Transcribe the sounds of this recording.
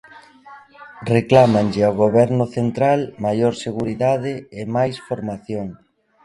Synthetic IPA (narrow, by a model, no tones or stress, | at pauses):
reklamaŋʎɪawɣoβɛɾnʊθent̪ɾalmajoɾseɣuɾiðaðɪɪmajsfoɾmaθjoŋ